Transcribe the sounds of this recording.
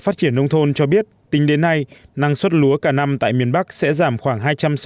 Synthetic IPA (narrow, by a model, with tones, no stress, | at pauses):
faː˦˥t̚t͡ɕi˧˩ənːə˧wŋ͡mt̪ʰo˧nt͡ɕɔ˧ɓi˦˥ət̚t̪ï˨˦ŋ̟ɗe˨˦nːa˧jna˧˩ŋswə˦˥t̚lu˨˦əkaː˧˩na˧mt̪a̰ː˧˨jmi˨˩ənɓa˦˥k̚sɛ̰˧˥zaː˧˩mxwaː˧˩ŋɦaː˧jt͡ɕa˧ms